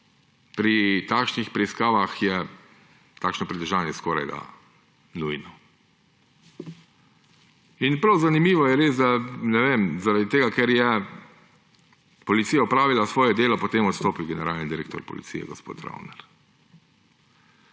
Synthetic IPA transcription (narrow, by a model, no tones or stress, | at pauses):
pɾit̪aːkʃnixpɾɛiskaːʋaxjɛ | t̪aːkʃnɔpɾit̪əʒaːnjɛskoːɾa̰jd̪a̰ | nujnɔ | inpɾawzanimiːʋɔjɛɾeːsd̪anɛʋeːmzaɾad̪it̪eːɡakɛɾjɛ | pɔlit̪siːjaɔpɾaːʋilasʋɔːjɛd̪eːlɔpɔt̪eːmɔt̪st̪oːpiwɡɛnɛɾaːlnind̪iɾeːkt̪ɔ̰ɾpɔ̰lḭtsḭjɛ̰ɡɔspo̰ːt̪ɾa̰wnɛɾ